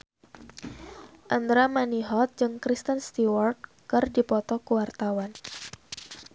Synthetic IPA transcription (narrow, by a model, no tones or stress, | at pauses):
ʔand̪ɾamaniɦɔt̪̚d͡ʒɨŋkɾist̪ənst̪iwɔrt̪̚ | kɨrdipɔt̪ɔkuwart̪awan